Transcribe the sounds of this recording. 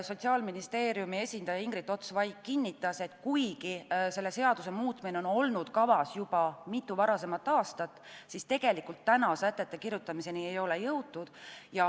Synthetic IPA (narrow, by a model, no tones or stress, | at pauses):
so̞t̪ʲsiɑːlminist̪e̞ːɾjumie̞sʲind̪ɑjɑiŋɡɾit̪ːˑo̞t̪svɑjkːinʲːit̪ːˑɑse̞t̪ˑkujɡise̞lːe̞se̞ɑd̪use̞muːt̪ːˑmineo̞no̞lnud̪̥kɑvɑsjubɑmit̪ːˑuvɑɾɑse̞mɑt̪ːˑɑːst̪ɑt̪ːˑ | sist̪e̞ɡ̥e̞likult̪ːænɑsæt̪ːˑe̞t̪ˑːe̞kiɾjut̪ːˑɑmise̞niejo̞le̞jɤwt̪ːud̪̥jɑ